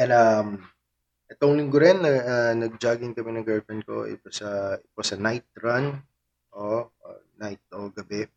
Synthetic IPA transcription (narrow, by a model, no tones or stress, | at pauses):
jɐnɐm | ʔɛt̪oŋlɪŋɡʊɾɛnːɐɐnɐɡ̚d͡ʒaːɡɪŋkɐmɛnɐŋɡɛlfɛnko̰ɪ̰t̪osɐʔɪt̪̚osɐnajt̪̚ɹɐn | ʔo̰najt̪̚oɡɐbɛ